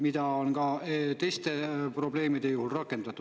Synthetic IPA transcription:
mid̪ɑonɡ̥ɑt̪e̞jst̪epro̞ble̞ːmid̪e̞juhulrɑkːˑe̞nd̪ɑt̪ːˑu

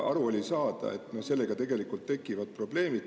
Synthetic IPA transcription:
ɑɾuolʲisɑːd̪̥ɑ̰e̞t̪ːˑno̞se̞lːe̞ɡ̥ɑt̪e̞ɡe̞likˑult̪ːe̞kːˑivɑd̪̚pro̞ble̞ːmid̪

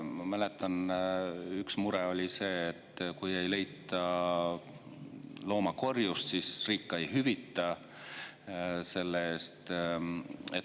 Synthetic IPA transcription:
mɑmæle̞t̪ːˑɑn | yksmuɾɛo̞lʲise̞ːt̪ːˑkuje̞jle̞jt̪ːˑɑ | lo̞ːmɑko̞rjust̪sisriːkːɑejɦyvit̪ːˑɑ | se̞lːeeːst̪ | et̪

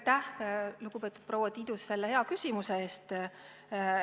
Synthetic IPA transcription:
t̪æhluɡ̥upe̞ːt̪ud̪̥̚prowːɑt̪iːd̪usse̞lːehe̞ɑkysʲimuseeːst̪

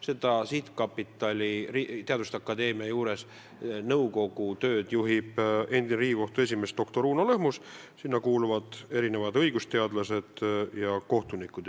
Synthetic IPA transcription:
se̞d̪̥ɑsit̪kɑpːit̪ːˑɑlʲirit̪e̞ɑd̪ust̪ɑkːˑɑd̪e̞ːmiɑjuːɾe̞s | nɤuwko̞ɡ̥ut̪ø̞ːd̪̥juɦib̥e̞nd̪̥inɾiːɡiko̞ht̪ue̞s̬ʲime̞st̪d̪̥o̞kt̪o̞ɾuːnolɤɦmus | sinːɑkuːluvɑd̪̥e̞ɾine̞vɑd̪ɤ̞jɡust̪e̞ɑd̪lɑse̞d̪̥jɑko̞ht̪unikːˑud̪

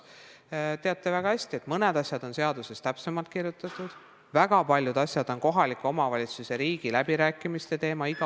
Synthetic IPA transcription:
t̪e̞ɑt̪ːˑe̞væɡ̥ɑhæsʲt̪ie̞t̪ˑmɤned̪ɑsʲjɑd̪̥o̞nse̞ɑd̪̥use̞st̪æpse̞mɑlt̪kirjut̪ˑːɑt̪ːˑud̪̥ | væɡ̥ɑpɑlʲjud̪̥ɑsjɑd̪̥o̞nko̞ɦɑlikːˑo̞mɑvɑlʲit̪suse̞ɾiːɡ̥ilæbiɾæːkːˑimist̪e̞t̪e̞ːmɑiɡ̥ɑ

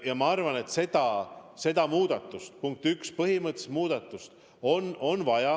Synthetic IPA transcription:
jɑmɑɑrvɑne̞t̪se̞d̪ɑse̞d̪̥ɑmuːd̪̥ɑt̪ːˑust̪puŋk̚t̪ykspɤɦimɤt̪ːse̥smuːd̪̥ɑt̪ːˑust̪ | o̞no̞nvɑjɑ

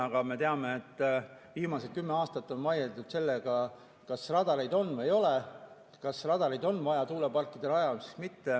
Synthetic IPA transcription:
ɑɡ̥ɑme̞t̪e̞ɑme̞ːt̪ːˑviːmɑset̪̚kymːe̞ɑːst̪ɑt̪ːˑo̞nvɑjelt̪ud̪̥se̞lːeɡ̥ɑ | kɑsrɑd̪ɑɾejd̪o̞nːvejo̞le | kɑsrɑd̪̥ɑɾejd̪o̞nːvɑjɑt̪uːle̞pɑlkːˑid̪̥e̞lɑjɑlsi̥smit̪ːe̞

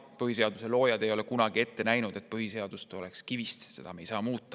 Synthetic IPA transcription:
pɯɦise̞ɑd̪̥use̞lo̞ːjɑd̪̥ejo̞le̞kunɑɡ̥ie̞t̪ːe̞næjnud̪̥e̞t̪̚ˑpɯɦise̞ɑd̪̥ust̪o̞le̞kskivist̪se̞̰d̪ɑme̞jsɑːmuːt̪ˑːɑ̥

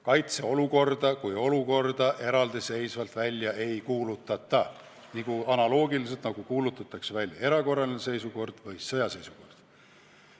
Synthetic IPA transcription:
kɑjt̪se̞o̞luko̞rd̪̥ɑkujo̞luko̞rd̪̥ɑʔe̞ɾɑld̪ise̞jsvɑlt̪vælʲjɑʔe̞jkuːlut̪ːˑɑt̪ːˑɑ | nikuɑnɑlo̞ːɡilis̬e̞lt̪nɑɡ̥ukuːlut̪ːˑɑt̪ːˑɑksevælʲje̞ɾɑko̞rːɑlinese̞jsuko̞rd̪̥vɯjsɤjɑse̞jsuko̞̰rd̪̥

